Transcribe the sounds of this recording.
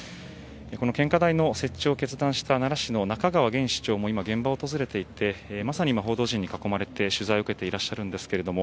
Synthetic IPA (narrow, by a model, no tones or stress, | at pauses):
ko̞no̞kẽ̞ŋkad̪aino̞se̞t͡ɕːo̞ːke̞t͡sɨd̪ãɰ̃ɕi̥t̪anaɾaɕino̞nakaɡaβaɡẽ̞ɰ̃ɕi̥t͡ɕo̞ːmo̞imaɡẽ̞mbaot̪o̞zɨɾe̞t̪e̞it̪e̞masaɲ̟iimaɦoːd̪o̞ːʑĩɲ̟ːikako̞maɾe̞t̪e̞ɕɨzaio̟ke̞t̪e̞iɾaɕːaɾɯ̟̃nd̪e̞sɨ̥ke̞ɾe̞d̪o̞mo̞